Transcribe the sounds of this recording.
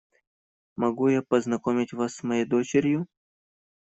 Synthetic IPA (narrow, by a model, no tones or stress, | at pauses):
mɐɡujapəznɐkomʲɪtʲvasːmɐjejd̪ot͡ɕɪɾʲjʊ